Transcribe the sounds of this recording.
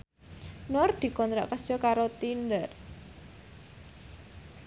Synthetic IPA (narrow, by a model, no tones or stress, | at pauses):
nɔrd̪̥i̤kɔnt̪ɾɔ̰ʔkəsd͡ʒ̥ɔkaɾot̪ind̪ər